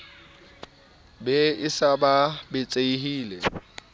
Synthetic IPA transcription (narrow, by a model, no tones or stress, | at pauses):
bɛɪsababɪt͡sʼeihiːlɛ